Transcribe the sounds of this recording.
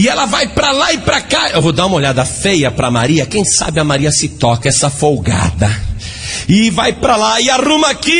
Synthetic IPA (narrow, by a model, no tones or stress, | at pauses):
ɪɛlɐvajpɾɐlaɪpɾakaewvod̪aũmoʎad̪ɐfejɐpɾɐmaɾiɐkẽj̃sa̰bɪɐmaɾiɐsɪt̪ɔkɐɛsɐfowɡa̰d̪ɐ | ɪvajpɾɐlaɪaɾũmɐaki